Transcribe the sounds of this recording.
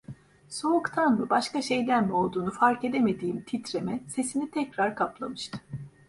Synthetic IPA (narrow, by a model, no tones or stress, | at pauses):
so̞ukt̪ʰanmɯbaʃkaʃejlʲæɾmɛo̞lˠd̪uːnufaɾke̞d̪eme̞d̪iːimt̪ʰit̪ɾemɛse̞sinit̪ʰɛcɾaɾkʰaplˠamɯʃt̪ʰɯ̥